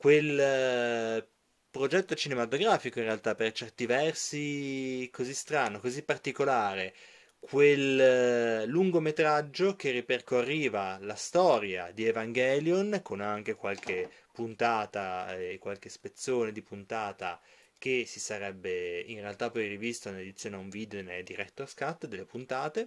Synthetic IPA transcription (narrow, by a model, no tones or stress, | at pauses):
kwel | pɾod͡ʒɛt̪ːot͡ʃinemat̪oɡɾaːfikoinrealt̪apert͡ʃɛrt̪ivɛrsikozist̪ɾaːnokozipːart̪ikolaːɾe | kʰwelː | uŋɡomet̪ɾad͡ʒːok̟erːiperkorːiːvalast̪ɔːɾjad̪ievaŋɡɛːljonkonaŋk̟ekwalk̟ʰepunt̪aːt̪aekwalk̟espet̪sːoːned̪ipunt̪aːt̪a̰ | k̟esisaɾɛbːeinrealt̪apːɔjrivist̪oinled̪it̪sːjoːneuɱviːd̪ened̪iɾɛt̪ːoaskat̪ːd̪elːepunt̪aːt̪e